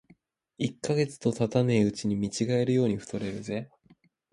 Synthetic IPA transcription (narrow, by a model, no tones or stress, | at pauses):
ikːaɡe̞t͡sɨ̥t̪o̞t̪at̪ane̞ːɯ̟t͡ɕiɲ̟imʲit͡ɕiɡae̞ɾɯ̟jo̞ːɲ̟iɸɯ̟̥t̪o̞ɾe̞ɾɯ̟ze̞